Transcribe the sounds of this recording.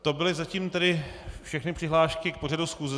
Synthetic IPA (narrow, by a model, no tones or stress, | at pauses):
t̪o̞bɪlɪzaciːmt̪ɛdɪfʃɛxnɪpr̝̥ɪɦlaːʃkɪk̚poradusxuːzɛ